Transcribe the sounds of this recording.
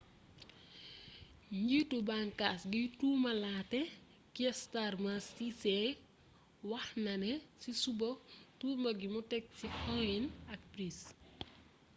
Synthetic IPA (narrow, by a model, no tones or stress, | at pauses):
ɲɟitubaŋkasɡituːmɐlaːtɛ | kiɛstarmɐsisɛ | wɐxnɐnɛsisubɔtuːmɐɡimutɛk̚sikʰɔinɐk̚pɾis